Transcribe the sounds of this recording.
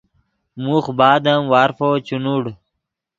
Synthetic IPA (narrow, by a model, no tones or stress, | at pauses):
muxbaːd̪əmwaːɾfot͡ɕunuɽ